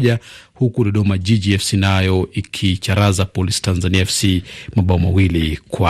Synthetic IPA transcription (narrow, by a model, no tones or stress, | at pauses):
ʄahukuɗɔɗɔmaʄid͡ʒiɛfsinajɔikʰit͡ʃaɾazapɔlisi̥tanzaniaɛfsimaɓaɔmawilikwa